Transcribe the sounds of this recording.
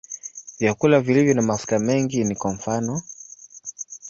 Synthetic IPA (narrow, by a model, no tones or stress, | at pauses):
vjakulavilivjɔnamaskamɛŋɡinikwaɱ̩fanɔ